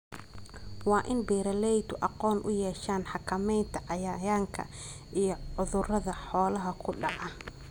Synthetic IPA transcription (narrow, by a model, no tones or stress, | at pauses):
wɑːʔɪnbɛːɾɐlɛjt̪ʊʔɑqɔːnʔʊ̰jɛːʃaːnħɑkʰɐmɛjnt̪ʰɐʕɑjaːjaːŋkʰɐ̰ʔijɞʕʊðʊrɐðɐħɔːlɐɦɐkʰʊɖɑʕɐ